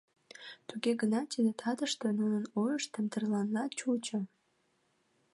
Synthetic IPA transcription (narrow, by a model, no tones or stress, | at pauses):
t̪uɣeɡənɑt̪id̪et̪ʰɑd̪əʃt̪ə̆nunənojəʃt̪əmt̪ərlɑnlɑt͡ɕut͡ɕə̆